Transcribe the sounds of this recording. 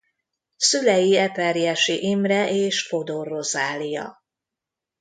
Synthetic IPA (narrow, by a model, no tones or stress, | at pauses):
sylɛjiɛpɛrijɛʃiʔimrɛʔeːʃfo̞d̪orozaːlijɒ̰